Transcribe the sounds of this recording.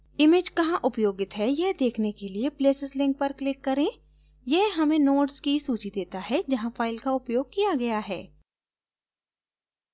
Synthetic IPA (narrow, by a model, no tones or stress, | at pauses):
ɪmeːd͡ʒkɐɦãʔʊpjoːɡɪt̪ɦɛjeɦd̪eːkʰnekeliepleːsəslɪ̃ŋk̚pɐɾklɪkːɐɾẽː | jɛɦɦɐmẽnoːʈskisuːt͡ʃid̪eːt̪aɦɛd͡ʒɐɦãfaːɪlkaʊpjoːɡ̚kijaɡɐjaɦɛː